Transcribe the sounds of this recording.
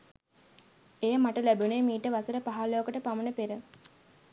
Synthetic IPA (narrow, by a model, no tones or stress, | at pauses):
ejəmaʈəlæbunemiːʈəʋasəɾəpaɦaloːkəʈəpamənəpeɾə